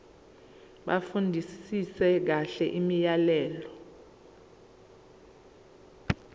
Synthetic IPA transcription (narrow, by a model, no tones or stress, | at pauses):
ɓafundʱissisɛk̬aɬɛʔimijalɛːlɔ